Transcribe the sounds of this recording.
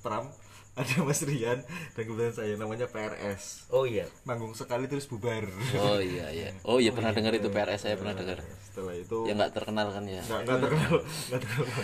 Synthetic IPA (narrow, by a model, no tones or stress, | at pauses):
t̪ɾam | adamasɾiand̥ankəbut̪ansajanamaɲapeɛrɛsʔoijamaŋɡʊŋsəkalit̪ɾʊsb̥ubaroija̰ja̰ʔojapərnahdəŋəɾit̪upeɛrʔɛsajapərnahdəŋərsə̥t̪əlahit̪ujaŋɡa̰ʔt̪ərkənalkanjaɡaʔŋɡat̪ərkənalŋɡaʔt̪ərkəalk